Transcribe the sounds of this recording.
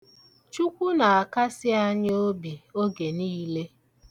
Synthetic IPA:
t͡ʃu˦kʷu˦na˨a˨ka˦sɪ˦a˦ɲ˦o˦bi˨o˦ɡe˨niː˦le˦

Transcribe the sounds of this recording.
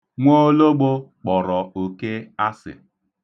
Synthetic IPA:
ŋʷo˦lo˦ɡ͡bo˦k͡pɔ˨ɾɔ˨o˨ke˦a˦sɪ̰˨

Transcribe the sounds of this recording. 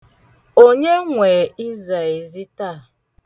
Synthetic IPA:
o˦ɲe˦ŋʷe˨i˦za˨i˨zi˦ta˦˨

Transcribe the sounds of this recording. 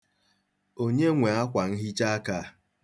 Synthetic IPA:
o˦ɲe˦ŋʷe˨a˦kʷa˨n̩˦ɦi˦t͡ʃa˦ka˦˨

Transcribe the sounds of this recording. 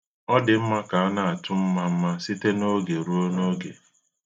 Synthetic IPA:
ɔ˦dɪ˨m̩˦ma˦ka˨a˦na˦a˨tʊ˦m̩˦ma˦m̩˦ma˦sɪ˦te˦no˦ɡe˨ɾu˦o˦no˦ɡḛ˨

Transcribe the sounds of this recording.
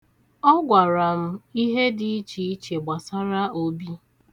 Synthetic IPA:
ɔ˦ɡʷa˨ɾa˨m̩˦i˦ɦe˦di˨i˦t͡ʃi˨i˦t͡ʃe˨ɡ͡ba˨sa˦ɾa˦o˦bi˦

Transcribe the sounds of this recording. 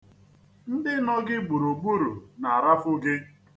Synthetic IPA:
n̩˦dɪ˦nɔ˦ɡɪ˦ɡ͡bu˨ɾo˨ɡ͡bu˦ɾu˨na˨a˨ɾa˦fʊ˦ɡɪ˦

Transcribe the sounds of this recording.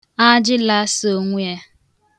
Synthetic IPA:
a˦d͡ʒɪ˦la˦so˦˨ŋʷʊ˦a˦

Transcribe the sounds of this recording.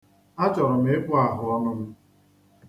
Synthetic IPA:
a˦t͡ʃɔ˨ɾɔ˨m̩˦e˦kʷʊ˦a˨ɦʊ˨ɔ˦nʊ˦m̩˦

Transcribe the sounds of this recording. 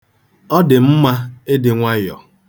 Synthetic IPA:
ɔ˦dɪ˨m̩˦ma˦e˦dɪ˨ŋʷa˦jɔ̰˨

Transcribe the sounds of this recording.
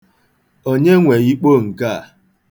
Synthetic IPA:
o˦ɲe˦ŋʷe˨i˦k͡po˦˨ŋ̩˨ka˦a˨

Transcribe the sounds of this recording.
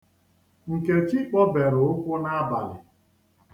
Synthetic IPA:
ŋ̩˨ke˨t͡ʃi˦k͡pɔ˦be˨ɾʊ˨ʊ˦kʷʊ˦na˦a˦ba̰˨lɪ̰˨

